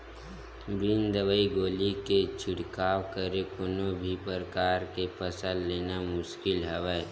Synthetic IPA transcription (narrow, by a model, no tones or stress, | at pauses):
bɪnd̪əʋəiɡoːliket͡ʃʰɪɽkaːwkəɾekʊnobʱipəɾəkaːɾkepʰəsəlːeːnamʊʃkɪlɦəʋə